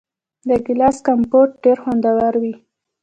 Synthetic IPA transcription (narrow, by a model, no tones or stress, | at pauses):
d̪əɡɪlaskampoʈ̚ɖeɾxand̪awaɾwi